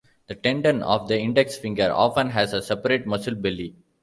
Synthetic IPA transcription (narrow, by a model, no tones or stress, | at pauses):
d̪̥əʈẽɳɖə̃nɔ̰ːʋd̪əɪ̃ɳɖeksfɪ̃ŋɡəɾɔ̰ːfə̃nɦæzəsɛpəɾeːʈ̚mʌsɪlbɪli